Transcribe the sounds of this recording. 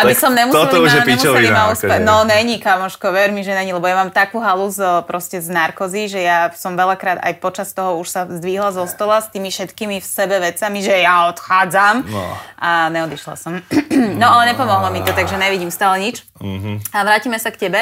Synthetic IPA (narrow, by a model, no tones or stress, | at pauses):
abisɔmɲɛmut̪ɔuʒɛpiɛiimauspɛnɔnɛɲikamɔʃkɔʋɛɾmiʒɛnɛɲilɛbɔjamaːmt̪akuːɦaluzpɾɔscɛznaɾkɔziʒɛjasɔmʋɛlakɾaːd̪a̰jpɔt͡ʃast̪ɔɦɔuʃsazd̪ʋiːɦlazɔst̪ɔlast̪iːmifʃɛt̪kiːmifsɛbɛʋɛt͡samiʒɛjaɔt̪xaːd͡zam̰ʔaɲɛɔd̪iʃla̰sɔmnɔalɛɲɛpɔmɔɦlɔmit̪ɔt̪aɡʒɛɲɛʋiɟimst̪aːlɛɲit͡ʃ | aʋɾaːcimɛsakcɛbɛ